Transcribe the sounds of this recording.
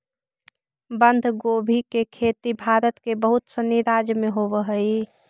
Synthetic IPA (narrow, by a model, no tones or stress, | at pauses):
bənd̪ʱɡobʱikekʰet̪ibʱaːɾət̪kebəɦʊt̪səniɾaːd͡ʒmeɦobəɦəi